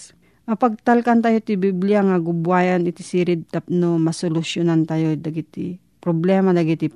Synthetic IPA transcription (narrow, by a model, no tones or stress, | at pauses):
mɐpɐɡ̚t̪alkant̪aːjot̪ibibliaŋaɡʊbwaːjanɪt̪isiɾɪd̪̚t̪ap̚nomɐsolʊsjonant̪ajod̪ɐɡit̪i | pɾoblɛːmad̪aɡit̪i